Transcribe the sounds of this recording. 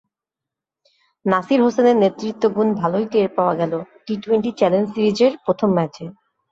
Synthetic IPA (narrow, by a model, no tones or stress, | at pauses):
nasiɾɦoseneɾnet̪ːɾit̪ːoɡunbʱalojt̪eɾpaoaɡɛloʈiʈweɳʈit͡ɕɛlensiɾid͡ʑeɾpɾot̪ʰomːɛt͡ɕe